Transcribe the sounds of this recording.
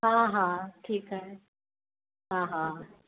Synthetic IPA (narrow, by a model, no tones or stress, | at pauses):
ɦãɦãʈʰiːkɦəɦe | ɦãɦã